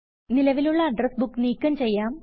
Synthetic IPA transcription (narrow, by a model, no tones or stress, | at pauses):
nilɐʋiluɭːɐːɖrɐsbukːniːkʲːɐmt͡ɕe̞jːaːm